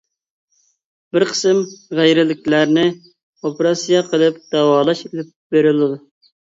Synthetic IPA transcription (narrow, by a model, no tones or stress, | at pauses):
bɪɾqʰə̥sɨmʁæjɾɪlɪkʲlæɾnɪ | opʰeɾɑsijɑqʰəlˠɨp̚d̪̥ɑwɑːlˠɑʃelɪp̚beɾɪlɨd̪u